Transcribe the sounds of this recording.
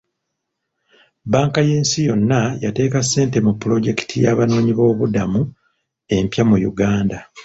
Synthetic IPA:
baːŋkaje̞ːnsijo̞nːajate̞ːkasːe̞ːnte̞mupːulo̞ɟe̞ki̥tʰijaβano̞ːɲiβo̞ːβudamu | e̞mpjamujṵɡaːnda

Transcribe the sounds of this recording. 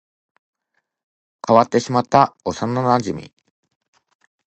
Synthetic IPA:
kaβat̪ːe̞ɕimat̪ːaosanːonãɲd͡ʑimʲḭ

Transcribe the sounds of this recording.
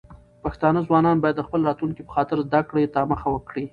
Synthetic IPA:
paxt̪ɑnəzwɑnɑnbɑjad̪ːəxpəlɾɑt̪luŋkipə̥xɑt̪ɪɾzd̪akɽet̪ɑməxawəkɽi

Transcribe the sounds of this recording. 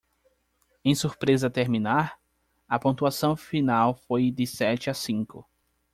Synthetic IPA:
ẽj̃suɾpɾezɐt̪eɾmĩnaɾ | ɐpõt̪uasɐ̃w̃finawfojd̪ɪsɛt͡ʃɪasĩkʊ

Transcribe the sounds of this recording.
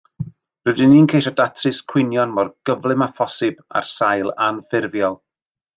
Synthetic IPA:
rɨdɪniːnkʰejʃɔdatʰrɨskʰw̥ɪnjɔnmɔrɡ̥əvlˠɨmafɔsɨb̥a̰rsajlˠanfɪrvjɔlˠ

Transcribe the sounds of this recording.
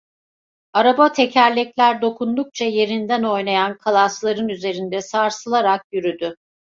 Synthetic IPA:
aɾabat̪ʰe̞cʰæɾlʲɛclʲæɾd̪o̞kʰund̪uk̚t͡ʃʰaje̞ɾind̪æno̞jnajankʰalˠaslˠaɾɯnyze̞ɾind̪ɛsaɾsɯlˠaɾak̚jyɾyd̪ʏ

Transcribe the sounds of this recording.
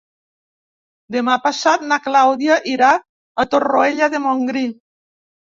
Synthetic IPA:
d̪emapasat̪̚naklawðjaʔiɾa | at̪oroeʎaðemoŋɡɾi

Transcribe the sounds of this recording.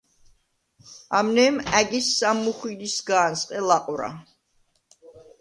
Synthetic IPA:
amnɛːmæɡisːamːuχwid̪isɡaːnsʼqʼɛlaqʼɾa̰

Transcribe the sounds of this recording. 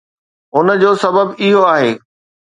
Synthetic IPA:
ʊnəd͡ʑoːsɐbəbɪɦoaːɦeː

